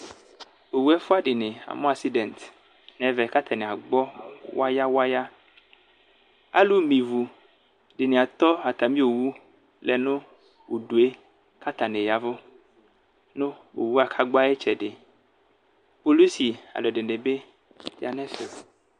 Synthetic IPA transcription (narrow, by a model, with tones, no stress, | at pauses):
o˨wu˦ɛ˦fo˦a˦ɖe˨ne˨a̰˨mõ˦a˨si˦dɛ˨nt̪ | nɛ̃˨vɛ˨ka˦t̪ʰa˨nẽ˨a˨ɡ͡bɔ˦wa˦ja˦wa˦ja˦ | a̰˦lu˦mĩ˨vu˨ | ɖe˨nẽ˨a˨t̪ɔ˦a˨t̪a˨mĩ˦o˨wu˦ | lɛ˨nõ˦ | wu˨ɖu˨e˦ | ka˦t̪a˨ne˨ja˨vo˦ | nõ˦wo̰˨wu˦a˨kʰa˦ɡ͡ba˦e˦t͡ʃɛ˨ɖe˨ | po˦li˦si˨a̰˨lɔ˨ɖe˨ne˨be˦ | ja˨nɛ̃˦fe˨